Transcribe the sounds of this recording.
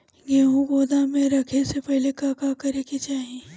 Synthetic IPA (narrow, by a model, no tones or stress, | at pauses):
ɡeːɦũɡoːd̪amẽɾɐkʰesepɛɦlekakakɐɾekit͡ʃaːɦie